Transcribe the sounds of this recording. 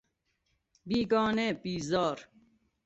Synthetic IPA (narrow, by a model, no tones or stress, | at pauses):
biːɡɔːneːbiːzɔːɾ